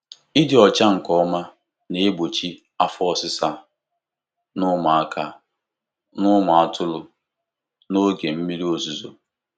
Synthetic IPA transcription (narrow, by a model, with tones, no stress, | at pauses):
i˦dɪ˨ɔ˨t͡ʃa˦ŋ̩˨kɔ˦ma˦ | ne˨e˦bo˨t͡ʃi˦ | a˦fʊ˦ɔ˨sɪ˦sa˦ | nʊ˦ma˨a˦kʰa˦ | nʊ˦mʷʊ˨a˨tʊ˦lʊ˨ | no˦ɡe˨m̩˦mi˦ɾi˦o˨zu˨zo̰˨